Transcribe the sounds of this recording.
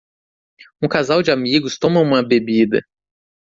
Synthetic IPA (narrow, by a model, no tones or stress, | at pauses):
ũkazawd͡ʒɪamiɡʊst̪õmɐũmɐbebid̪ɐ̰